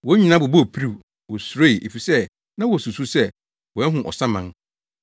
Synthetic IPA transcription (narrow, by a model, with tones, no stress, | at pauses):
wɔ˦ɲi˨nã˦bʊ˨bɔ˦˨pʰi˦ɾi˦˨ | wɔ˨sɾe˦˨ʔe˨fi˨sɛ˦ | nã˦wɔ˨su˨su˦sɛ˦ | wɔ˨ɛ˦ɦʊ̃˨ʔɔ̰˨sã˦mã˦ŋ